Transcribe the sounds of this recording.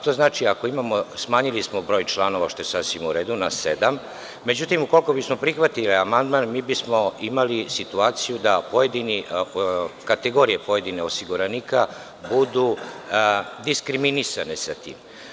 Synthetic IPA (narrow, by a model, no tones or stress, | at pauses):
t̪o̞znaːt͡ʃiako̞imamo̞smaːɲilismobɾo̞ːjt͡ʃlˠano̞ʋaʃt̪ojesasʋimuɾeːd̪unased̪amː | me̞d͡ʑut̪imuko̞lko̞bismo̞pɾixʋat̪iliamand̪maːnmiːbismo̞imalisit̪uaːt̪sijud̪apoje̞d̪ini | kat̪eɡo̞ːɾije̞po̞je̞d̪ineo̞siɡuɾaniːka | bud̪u | d̪iskɾiminisanesat̪ḭːm